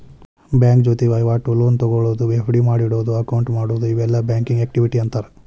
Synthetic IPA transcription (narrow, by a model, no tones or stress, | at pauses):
bjaːŋkd͡ʒoːt̪eʋɐjʋaːʈuloːnt̪ɔɡoɭoːd̪uʋefɽimaːɽiɽoːd̪uɐkɐwɳʈmaːɽoːd̪uiʋɛlːɐbaːŋkiŋɡeːk̚ʈiʋiʈiɐnt̪aːɾe